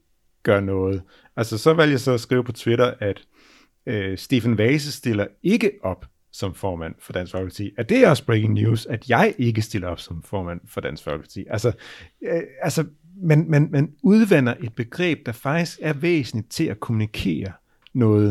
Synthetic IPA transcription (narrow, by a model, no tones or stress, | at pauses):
ɡ̥ɶɐnɔ̽ːð̞̩ˠ | ælsɐsɒ̽ʋæl̰djɑɪsɒ̽sɡ̥ʁiːʊpʰɒ̽t͡sʰwe̝ɾɐʔæd̥ | øsd̥e̝fænʋɛɪs̬əsd̥e̝l̰ɐe̝ɡəʔɒ̽b̥ | sɒ̽mfɒːmæn̰fɒ̽d̥æn̰sfɒ̽lɡəpʰɑ̈t͡sʰḭːæd̥e̝æɐɒ̽sb̥ʁekeŋnjṵːsæd̥jɑ̈ɪʔe̝ɡ̥əsd̥e̝l̰ɐɒ̽b̥sɒ̽mfɒːmæn̰fɒ̽d̥æn̰sfɒlɡə̥pʰɑ̥t͡sʰḭːʔælsɐ | ælsɒ | mænmænmænuð̞ˠʋen̰ɐʔe̝d̥̚b̥e̝ɡ̥ʁɛ̰ːb̥̚d̥ɑ̈fɑ̈ɡ̥̚d̥isɡ̥æɐʋḛːsn̩i̥t͡sʰe̝lækʰo̝munikʰe̝̰ːɐ | nɔ̽ːð̩ˠ